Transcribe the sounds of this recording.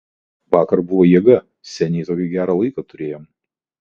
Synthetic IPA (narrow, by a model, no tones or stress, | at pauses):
ʋɑːkɐɾbʊʋoːjiɛɡɐ | sʲɛnʲɛɪt̪oːkʲɛɡʲæːɾɐlˠɐɪkɐt̪ʊɾʲeːjoːm